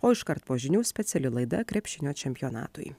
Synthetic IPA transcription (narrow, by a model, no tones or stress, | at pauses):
oːɪʃkɐɾt̪poːʒʲɪnʲuːsʲpʲɛt̪sʲɛlʲɪlˠɐɪd̪ɐkɾʲɛpʲʃʲɪnʲoːt͡ʃʲɛmʲpʲɪjoːnɑ̰ːt̪ʊ̰j